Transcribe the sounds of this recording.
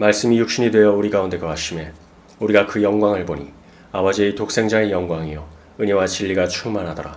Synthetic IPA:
maɭs͈ɯmijuk̚ɕ͈iɲidwe̞jʌuɾiɡaunde̞kʌaɕ͈ime̞ | uɾiɡakɯjʌŋɡwaŋɯɭboɲḭ | abʌd͡ʑietok̚s͈e̞ŋd͡ʑaŋejʌŋɡwaŋiʌ | ɯɲʌwat͡ɕiʎːiɡat͡ɕʰuŋmanɦadʌɾa

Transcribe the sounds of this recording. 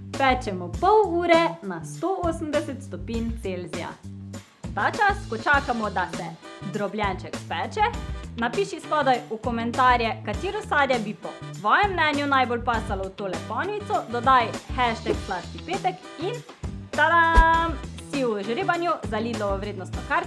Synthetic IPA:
pɛːt͡ʃɛmɔpɔwuːɾɛnast̪ooːsəmd̪ɛsɛt̪st̪ɔpiːnt̪selzija̰ | t̪aːt͡ʃaskɔt͡ʃaːkamɔd̪asɛd̪ɾɔbljɛnt͡ʃɛkpɛːt͡ʃɛnapiːʃispɔːd̪ajukɔmɛnt̪aːɾjɛkat̪iːɾɔsaːd̪jɛbipɔt̪ʋɔːjɛmːnɛːnjunajbolpaːst̪alɔwt̪oːlɛpɔnit̪sɔd̪ɔd̪ajxɛʃt̪ɛkslast̪ipeːt̪ɛk | in | t̪ad̪a | siuʒɾeːbanjuzaliːd̪lɔʋɔʋɾeːd̪nɔst̪nɔkaɾ

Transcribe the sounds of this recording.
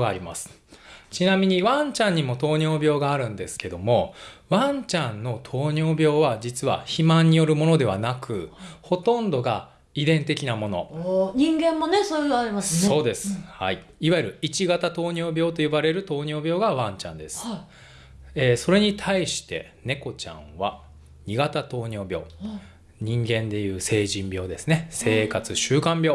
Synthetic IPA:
aːɾʲima̰sɨ̥ | t͡ɕinamʲiɲ̟iβãɲt͡ɕãɲ̟ːimo̞t̪o̞ːɲo̞ːbʲjo̞ːɡaːɾɯ̟̃nd̪e̞sɨ̥ke̞d̪o̞mo̞βãɲt͡ɕãnːo̞t̪ʰo̞ːɲo̞ːbʲo̞ːβad͡ʑit͡sɨβa̰çimãɲ̟ːijo̞ɾɯ̟mo̞no̞d̪e̞β̞a̰nakɯ̟ho̞t̪õ̞nd̪o̞ɡa | id̪ẽ̞nt̪e̞kʲinamo̞no̞̰ɲĩŋɡẽ̞mːonesoaɾʲimaseo̞ːd̪e̞sɨɨ̥hai | iβajɯɾɯ̟it͡ɕiɡat̪at̪o̞ːɲʲo̞ːbʲjo̞ːt̪o̞ɯbaɾe̞ɾɯ̟t̪o̞ːɲo̞ːbʲo̞ːɡaβãɲ̟t͡ɕã̰nd̪e̞sɨ̥ | eːso̞ɾe̞ɲ̟it̪ʰaiɕi̥t̪e̞̰ | ne̞ko̞t͡ɕã̰ɰ̃βa | ɲ̟iɡat̪at̪o̞ːɲo̞ːbʲo̞̰ː | ɲ̟ĩŋɡẽ̞nd̪e̞jɯ̟ːse̞ːʑĩmbʲjo̞ːd̪e̞sɨne̞se̞ːkat͡sɨɕɨːkãmbʲjo̞ː

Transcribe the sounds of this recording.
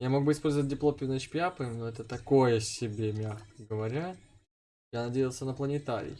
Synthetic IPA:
jamo̞ɡ̚bɨɪspo̞lʲzəvət̚ʲdʲɪplˠopʲnɐt͡ɕpʲɪapɨnoɛt̪ət̪ɐko̞jəsʲɪbʲemʲaxkəɡəvɐɾʲa | janɐdʲejɪlˠsʲənəplˠənʲɪt̪aɾʲɪ̰j

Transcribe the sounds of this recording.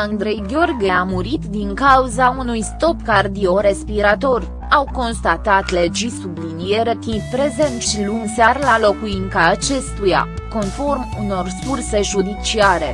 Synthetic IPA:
and̪ɾe̞jɡʲo̞rɡʲeamuɾit̪d̪iŋkauzaunujst̪o̞pkard̪io̞ɾe̞spiɾat̪o̞r | awko̞nst̪at̪at̪le̞d͡ʒisublinije̞ɾet̪inpɾe̞ze̞nt̪ʃilunsearlalo̞kuiŋkaːt͡ʃe̞st̪uja̰ko̞nfo̞rmuno̞rskurse̞ʒud̪it͡ʃiaɾe̞

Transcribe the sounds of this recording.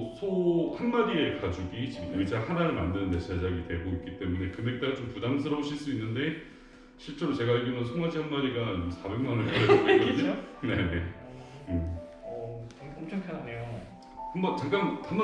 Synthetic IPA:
sʰohanmaɾie̞kad͡ʑuɡit͡ɕimit͡ɕ͈ahanaɾɯɭmandɯnnːe̞sʰad͡ʑaɡitwe̞boik͈it͈e̞mune̞kɯne̞k̚t͈aɡat͡ɕompudamsʰɯɾʌboɕʰiɭs͈uinːɯnde̞ | ɕʰiɭt͡ɕ͈e̞ɾot͡ɕe̞ɡaeɡimjʌnsʰoŋmad͡ʑihanmaɾiɡamsʰabe̞ŋmanɯɭkaɾʌit͈euɲeone̞ne̞̰ɯ | omt͡ɕʰakʰanejo | kɯnbat͡ɕaŋk͈antam

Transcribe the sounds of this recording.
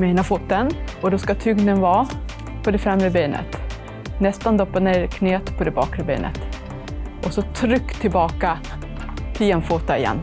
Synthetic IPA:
mɛnafuːt̪ːənɔd̪ɔskat̪ʰʏɡnənvɑː | pʰɔd̪ɛfɾɛmːɾəbeːnə̰t̪ | nɛst̪and̪ɔpːaneːɾkʰneːt̪pʰɔd̪ɛbɑːkɾəbḛːnʔə̰t̪ | ʔɔsɔt̪ʰɾʏkːt̪ʰɪlbɑːka | t̪ʰiɛnfuːt̪ːaɪjɛ̰nː

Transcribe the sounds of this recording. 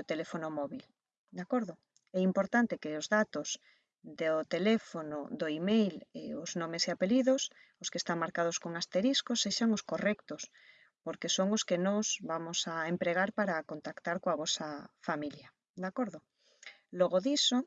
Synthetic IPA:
ot̪elefonomɔβil | d̪akoɾðo | ɛimpoɾt̪ant̪ekeozðat̪os | d̪ot̪elefono̰ðoimejleoznõmeseapeliðos | oskest̪aŋmaɾkað̞oskoŋast̪eɾiskosːeʃaŋoskorɛkt̪os | poɾkesoŋoskenozβamosaempɾeɣ̞aɾpaɾakont̪akt̪aɾkoaβɔsafamilja | d̪akoɾðo | loɣoðiso

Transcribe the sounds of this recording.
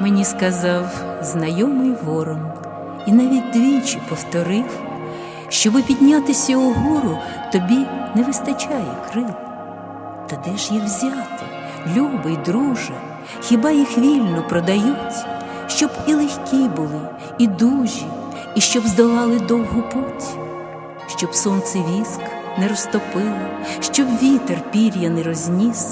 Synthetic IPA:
menʲiskɐzɑwznɐjɔmɪjɦɔɾɔn | inɑʋʲit̚ʲd̪ʲʋʲit͡ʃɪpɔwt̪ɔɾɪw | ʃt͡ʃɔʋɪpʲidʲnʲat̪ɪsʲɐʊɦuɾʊ | t̪ɔbʲineʋɪst̪ɐt͡ʃajɛ̰kɾɪlˠ | t̪ɐd̪ɛʒjiwzʲat̪ɪ | lʲubɐid̪ɾuʒɐ | xʲɪbɑjixʋʲilʲnɔpɾɔd̪ɐjutʲ | ʃt͡ʃɔbilˠexʲkʲibʊlˠɪ | id̪uʒʲi | iʃt͡ʃɔbzd̪ɔlˠɑlˠɪd̪ɔwɦʊpɔtʲi̥ | ʃt͡ʃɔbsɔnt̪sɪʋʲisk | nɛɾɔst̪ɔpɪlˠɪʃt͡ʃɔbʋʲit̪erpʲiɾʲjɐnɛɾɔzʲnʲis

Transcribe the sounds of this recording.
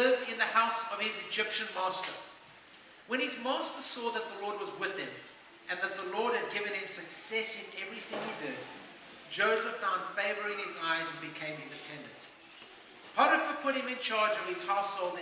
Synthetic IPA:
vɪ̃nðəhaʊsʌv̥ɪzɨd͡ʒɪpʃɨ̃nmɑstə̰˞ | wə̃nɪzmɑˑstəsɔðət̪̚ðəlɔɹd̚wʌzwɪðɨ̃m | ʔɨ̃nðɨt̪̚ðəlɔɹd̚ɨd̚ɡɪvɨ̃nɨ̃msɨksɛsɨ̃nɛvɹiθɪ̃ŋhidɪd | d͡ʒoʊzəfãʊ̃nd̥feɪvə˞ɪ̃nɪzaɪzɨ̃n̩bɨkʰẽɪ̃mɨzɨtʰɛ̃ndɨ̃nt | pʰɑɾəpəpʰʊt̚ɪ̃mɨ̃nt͡ʃʰɑɹd͡ʒʌv̥ɨz̥haʊshoʊlˠd

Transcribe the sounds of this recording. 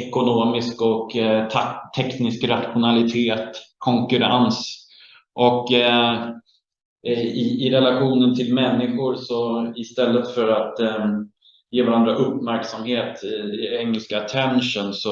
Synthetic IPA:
ɛkʊnoːmɪskɔk | t̪ʰːɛknɪskɾat̪ɧʊnalɪt̪ʰeːt̪kʰɔŋkɵɾa̰ns | ʔɔk | ɪɪɾɛlaɧuːnənt̪ʰɪlmɛnːɪɧʊɾsɔɪst̪ɛlːət̪fœɾat̪ | jeːvaɾand̪ɾaʔɵpːmæɾksamheːt̪ɛŋːəlskat̪ʰɛnʂənsɔ

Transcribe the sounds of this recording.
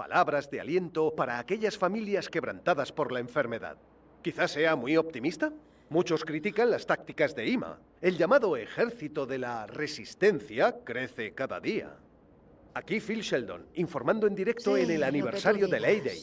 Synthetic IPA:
pa̰lʔaβɾazðe̞a̰lje̞nt̪o̞paɾaːke̞ʎasfamiljaske̞βɾa̰nt̪aðaspo̞ɾlaeɱfe̞ɾme̞ða̰ð | kiθase̞amwio̞p̚t̪imist̪a | mut͡ʃo̞skɾit̪ikanlast̪ak̚t̪ikazðe̞ima̰ | e̞lʝamaðo̞exe̞ɾθit̪oðe̞lare̞sist̪e̞nθjakɾe̞θe̞kaða̰ðia̰ | akifilʃeld̪o̞̰niɱfo̞ɾmãnd̪oend̪iɾe̞k̚t̪oenelaniβe̞ɾsaɾjoðelejðej

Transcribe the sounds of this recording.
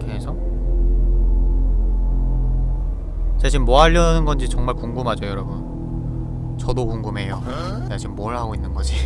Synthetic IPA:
kʰeɦesʰʌ | t͡ɕaɕ̬ʰimmoɦaʎːʌnɯnɡʌnd͡ʑit͡ɕʌŋmaɭkuŋɡumɦad͡ʑʌjʌɾʌbun | t͡ɕʌdokuŋɡumɦe̞jo | t͡ɕaɕʰimmoɯɭɦaɡoinːɯnɡʌd͡ʑi

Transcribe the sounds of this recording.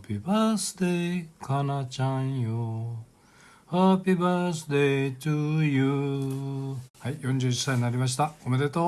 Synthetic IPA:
pibasɨd̪ekʰanat͡ɕãĩjo | hapibasɨd̪et̪uju | haijõɲd͡ʑɨi̥saɲinaɾʲimaɕ̬i̥t̪akomed̪et̪o

